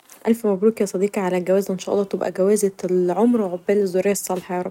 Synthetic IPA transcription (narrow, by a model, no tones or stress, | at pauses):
ʔælfmæbɾuːkijɑsˤɑd̪iːqʕalæɡæwæːzæʔenʃæːʔɑ̰lˤːɑːt̪obʔæ̰ɡæwæːzælʕomɾwʕobːæːlzoɾeːsˤːɑlħɑjɑːɾˤɑ